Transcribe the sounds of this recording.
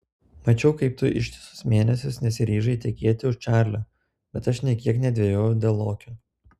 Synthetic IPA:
mɐt͡ʃʲɛʊkɐɪpt̪ʊʔɪ̰ʃʲt̪ʲɪ̥sʊ̥smʲeːnʲɛsʲʊsnʲɛsʲɪɾʲiːʒɐɪt̪ʲɛkʲeɛt̪ʲɪʊʃt͡ʃʲæːɾʲlʲo | bʲɛt̪ɐʃnʲɛkʲiɛknʲɛd̪ʲʋʲɛjoːjʊd̪ʲeːlˠoːkʲʊ

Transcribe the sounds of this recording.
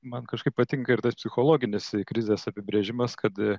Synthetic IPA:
mɐnkɐʃkɐɪppɐt̪ʲɪŋkɐɪɾt̪ɐspʲsʲɪxoːlˠoːɡʲɪnʲɪskɾʲɪzʲeːsɐpʲɪbʲɾʲeʒʲɪmɐskʰɐt̪

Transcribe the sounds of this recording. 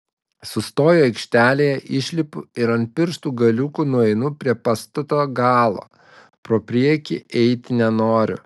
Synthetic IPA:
sʊst̪oːjoːɛɪkʃʲt̪ʲæːlʲeːjɛʔɪʃʲlʲɪpʊɪɾɐnʲt̪̚ʲpʲɪɾʃt̪uːɡɐlʲukuːnʊɛɪnʊpʲɾʲiɛpɑst̪oːt̪oːɡɑːlˠo̰ː | pɾoːpʲɾʲiɛkʲɪʔɛɪt̪ʲɪnʲɛnoːɾʲʊ̰

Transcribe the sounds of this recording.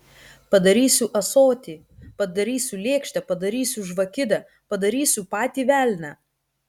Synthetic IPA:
pɐd̪ɐɾʲiːsʲʊʔɐsoːt̪ʲiː | pɐd̪ɐɾʲiːsʲʊlʲeːkʃʲt̪ʲɛpɐd̪ɐɾʲiːsʲʊʒʋɐkʲɪd̪ʲɛ | pɐd̪ɐɾʲiːsʲʊpɑːt̪ʲiːʋʲæːlʲnʲæ

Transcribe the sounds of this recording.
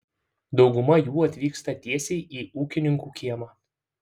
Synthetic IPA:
d̪ɒʊɡʊmɐjuːɐt̪ʲʋʲiːkst̪ɐt̪ʲiɛsʲɛɪʔiːuːkʲɪnʲɪŋkuːkʲiɛmɑː

